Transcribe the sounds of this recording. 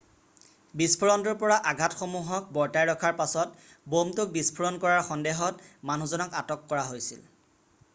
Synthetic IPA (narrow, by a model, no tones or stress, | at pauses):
bispʰɔɹɔntɔɹpɔɹaʔaɡʱatxomuɦɔk̚bɔɹtajɹɔkʰaɹpasɔt | bomtʊk̚bispʰuɹɔnkɔɹaɹxɔndeɦɔtmanuzɔnɔkatɔkːɔɹaɦojsḭl